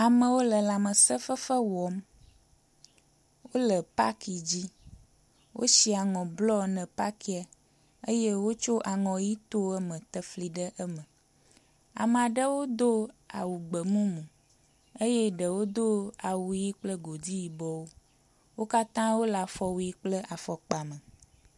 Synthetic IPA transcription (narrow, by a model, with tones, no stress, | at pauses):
a˨mə̃˨wo˦lə˨la˨mə̃˨sə˦fə˦fə˦wɔ˨m | wo˦lə˨pa̰˦ki˨d͡ʑi˦ | wʔo̰˦si˦a˨ŋɔ̃˨blɔ˦nɛ̃˨pa˦ki˦a˨ | e˦je˦wo˦t͡ʃo˦ʔa˨ŋɔ̃˨ji˦t̪o˦ɛ˦mə̃˨t̪ə˦fli˨ɖə˦ʔə˦mə̃˨ | a̰˨mã˨ɖə˦wo˦d̪o˦a̰˨wu˨ɡ͡bə˨mũ˦mũ˨ | e˦je˦ɖə˨wo˦d̪o˦a˨wu˨ji˦k͡plə˦ɡo˨di˦ji˨bɔ˦wo˦ | wo˦ka˦t̪ã˦wo˦la˨fɔ˨wu˨ji˦k͡plə˦ʔa˨fɔ˨k͡pa˨mə̃˨